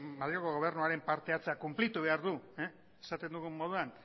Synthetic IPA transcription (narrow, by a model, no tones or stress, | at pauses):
maðɾioko̞ɣ̞o̞β̞e̞ɾnuaɾe̞mpaɾt̪e̞at͡seakumplit̪uβe̞aɾðu | esat̪e̞nd̪uɣumːo̞ð̞uan